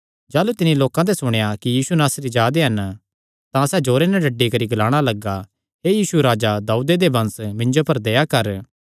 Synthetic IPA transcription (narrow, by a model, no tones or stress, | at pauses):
d͡ʒaːlut̪ɪnĩloːkãt̪̬esʊɽ̃jakijiːsunaːsɾid͡ʒaːd̪eɦɐn | t̪ãsɛd͡ʒoːɾenɛɖɐɖːikɐɾiɡɐlaːɽ̃alɐɡa | ɦejiːsuɾaːd͡ʒad̪aːud̪ed̪ebɐ̃nsmɪ̃ɲd͡ʒopɐɾd̪ejakɐɾ